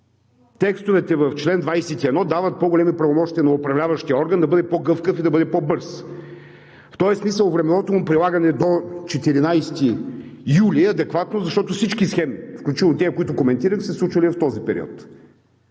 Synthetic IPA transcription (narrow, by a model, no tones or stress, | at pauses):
t̪ɛkst̪ʊvɛt̪ɛvɐft͡ʃlɛnd̪vajsɛt̪iɛd̪nɔd̪avət̪̚pɔɡolʲɛmipɾɐvomɔʃt̪iɐnɐopɾɐvlʲavɐʃt̪ijəɔɾɡənd̪ɐbɤd̪ɛpɔɡɤfkəfid̪ɐbɤd̪ɛpɔbɤɾs | ft̪ɔɛsmisəlˠvɾɛmɛnɔt̪omʊmpɾilˠaɡɐnɛd̪ot͡ʃɛt̪iɾinajst̪ijuliɐd̪ɛkvat̪nozɐʃt̪ɔt̪ʊfsit͡ʃkisxɛmifklʲut͡ʃit̪nt̪ɛəkoit̪ʊkomɛnt̪iɾəxsɛslˠut͡ʃvɐlʲift̪ɔzipɛɾḭɔ̰t̪